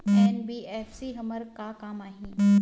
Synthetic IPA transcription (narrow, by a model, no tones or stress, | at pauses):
ɛːnbiːʔɛːfsiɦɐməɾkakaːmaːɦĩː